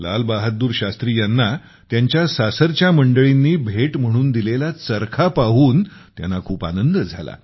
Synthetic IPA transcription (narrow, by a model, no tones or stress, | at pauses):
la̰lbaɦət̪̚d̪uːɾɕast̪ɾiːjanːa | t̪jaɲt͡ɕjasasəɾt͡ɕjaməɳɖəɭinːiːbʱeʈm̤əɽ̃uːnd̪ilelat͡səɾkʰapaɦuːnt̪ja̰nːakʰuːpa̰nənd̪əd͡zʱa̰la̰